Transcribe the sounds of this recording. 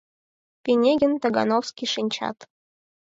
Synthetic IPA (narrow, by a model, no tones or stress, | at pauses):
pʲenʲeɡʲɘ̆nt̪ɑɡɑ̰nowskʲiʂinʲt͡ɕɑ̰t̪